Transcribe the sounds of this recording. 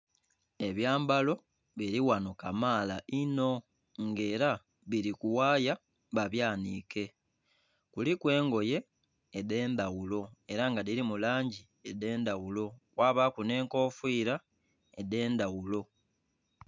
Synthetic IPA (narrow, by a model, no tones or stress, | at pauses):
e̞βjaːmbalo̞ | βiɾiwanokamaːlaʔino̞ | ŋɡe̞ːɾa | βiɾikuwaːja | βaβjaːnḭke̞ | kulikwe̞ːŋɡo̞je̞ː | de̞ːnd̪awulo̞e̞ɾaŋɡadiɾimulaːɲɟi | ede̞ːndawulo̞kwaːβakune̞ːŋko̞ːfwiːɾa | ede̞ːnd̪awulo̞